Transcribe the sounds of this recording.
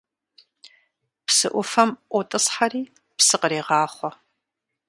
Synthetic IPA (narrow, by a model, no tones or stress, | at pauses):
psɨʔʷʊfɐmʔʷɔtʼɨsħariː | psɨqəɾeːʁɑːχʷɔ